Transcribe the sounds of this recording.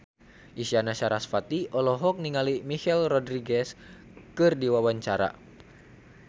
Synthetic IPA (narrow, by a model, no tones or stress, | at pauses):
ʔisianaʃaɾasfat̪iɔlɔɦɔk̚niŋalimihɛlrɔdɾiɡɛs | kɨrdiwawaɲt͡ʃaɾa̰